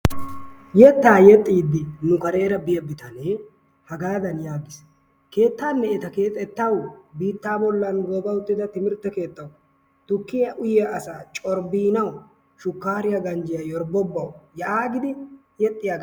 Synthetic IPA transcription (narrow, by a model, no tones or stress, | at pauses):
jɛt̪ːaːjɛt̪ʼːiːd̪ɪnʊkɐɾe̞ːɾɐbɪjɐbɪt̪ɐne | hɐɡaːd̪ɐnjaːɡ̪ɪs | ke̞ːt̪ːaːnːɛɛt̪ɐke̞ːt̪ʼːɛt̪ːɐwbiːt̪ːaːbɔlːɐnɡoːɡɐʊt̪ːɪd̪ɐt̪ɪmɪɾt̪ːɛke̞ːt̪ːɐw | t̪ʊkːɪjɐʔʊjɛʔɐsaːt͡ʃʼɔɾbiːnɐw | ʃʊkːaːɾɪjɐɡɐnd͡ʒɪjɐjɔɾbɔbːɐwjɐʔaːɡɪd̪ɪ | jɛt̪ʼːɪjaːɡ